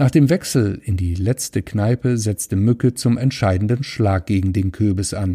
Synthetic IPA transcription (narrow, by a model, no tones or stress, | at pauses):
naːχd̥eːmvɛksl̩ɪndiːlɛt͡stəknaɪpəzɛt͡stəmʏkət͡sʊmɛntʃaɪdn̩dənʃlaːk̚ɡ̥eːɡŋ̩deːnkʰøːbəsʔan